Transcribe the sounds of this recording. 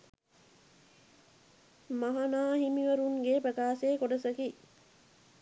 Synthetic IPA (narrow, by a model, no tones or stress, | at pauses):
maɦanaːɦimiʋɐɾuŋɡeːpɾɐkaːseːkoɖəsɐki